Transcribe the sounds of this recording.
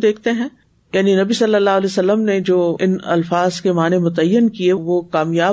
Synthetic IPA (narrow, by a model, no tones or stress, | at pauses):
d̪eːkʰt̪eɦɛ̃ː | jaːninɐbisɐlːəlːaːɦlɛsɐlːəmned͡ʒoːɪnɐ̰lfaːzkemaːnemʊt̪əjːənkieʋokaːmjaː